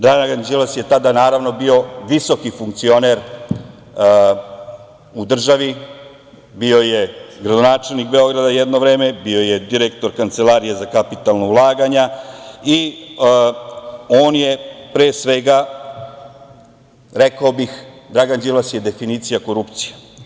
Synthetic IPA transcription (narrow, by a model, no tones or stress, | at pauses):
d̪ɾaɡaɡand͡ʒilasje̞t̪ad̪anaːɾaʋno̞bio̞ʋiso̞kifuŋkt̪sio̞neɾ | ud̪r̩ʒaʋi | bio̞jeɡɾad̪onaːt͡ʃe̞lnikbeo̞ɡɾad̪ajed̪no̞ʋɾe̞ːme̞bio̞jed̪iɾekt̪o̞ɾkant̪selaɾijezakapit̪alnoulˠaːɡaɲai | oːnje̞pɾeːsʋeɡa | ɾekaobixd̪ɾaɡand͡ʒilasje̞d̪e̞finiːt̪sijako̞ɾupt̪si̥je